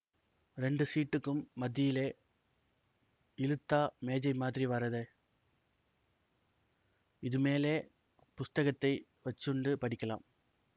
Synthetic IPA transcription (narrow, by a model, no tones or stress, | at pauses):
ɾɛɳɖɯsiːʈːɯkːɯmːɐd̪ːɪjɪleː | ɪlɯt̪ːaːmeːd͡ʒɐɪmaːðɪɾiʋɐɾɐðɯ | ɪðɯmeːleː | pʊst̪ɐɣɐt̪ːɐɪ | ʋɐt͡ʃːɯɳɖɯpɐɽɪkːɐla̰ːm